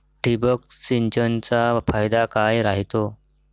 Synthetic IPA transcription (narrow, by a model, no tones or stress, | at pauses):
ʈibəksint͡ɕənt͡safajd̪akajɾaɦit̪o